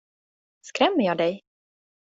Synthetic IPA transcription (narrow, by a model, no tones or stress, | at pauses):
skɾɛmːəjɑːd̪ɛj